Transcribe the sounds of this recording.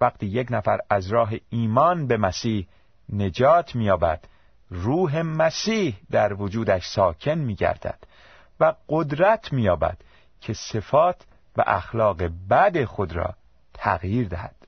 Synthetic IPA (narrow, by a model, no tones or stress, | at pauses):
væɡt̪ʰiːje̞cnæfæɾæzɾɒːɦe̞iːmɒːnbe̞mæsiːh | ne̞d͡ʒɒːt̪ʰmijɒːbæ̰d̪̥ | ruːɦe̞mæsiːhd̪æɾvod͡ʒuːd̪æʃsɒːcʰe̞nmiːɟæ̰ɾd̪̥æ̰d̪̥ | væɢod̪ɾæt̪ʰmiːjɒːbæ̰d̪̥ | cʰe̞se̞fɒːt̪ʰ | væ̰ʔæxlɒːɣe̞bæd̪e̞xo̞d̪ɾɒ̰ː | t̪ʰæɣjiːɾd̪æhæd̪̥